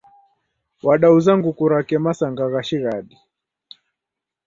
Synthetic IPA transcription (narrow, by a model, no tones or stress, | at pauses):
waɗauzaŋɡukuɾakɛmasaŋɡaɣaʃiɣaɗi